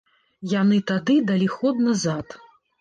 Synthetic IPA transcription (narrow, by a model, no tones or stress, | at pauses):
janɨt̪ad̪ɨd̪alʲixɔd̪̚nɐzat̪